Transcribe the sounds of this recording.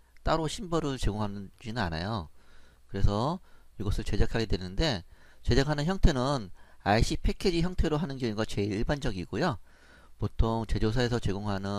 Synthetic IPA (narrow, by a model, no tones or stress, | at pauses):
t͈aɾoɕʰinbʌɾɯɭt͡ɕeɡoŋɦanɯnd͡ʑinɯna̰na̰jokɯɾe̞sʰʌiɡʌsʰɯɭt͡ɕe̞d͡ʑakʰaɡe̞dwe̞nɯnde̞t͡ɕe̞d͡ʑakʰanɯnçjʌŋtʰe̞nɯnaiɕ͈ʰipʰe̞kʰed͡ʑiçjʌŋtʰe̞ɾoɦanɯnɡjʌŋiɡat͡ɕe̞iɭiɭband͡ʑʌɡiɡojo | potʰoŋt͡ɕe̞d͡ʑosʰae̞sʰʌt͡ɕe̞ɡoŋɦanɯ